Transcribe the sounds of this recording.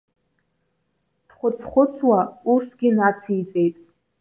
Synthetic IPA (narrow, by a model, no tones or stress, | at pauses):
d̥χʷʊt͡sʰχʷʊt͡sʰwausɡʲɪnat͡sʰit͡sʼe̞jtʼ